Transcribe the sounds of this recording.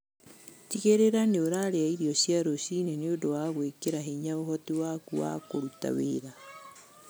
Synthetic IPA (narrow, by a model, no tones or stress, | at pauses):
tiɣeɾeɾaneoɾaɾeaiɾiɔsjaɾosineneondowaɣwekeɾaɦeɲaoɦɔtiwakuwa̰koɾuta̰weɾa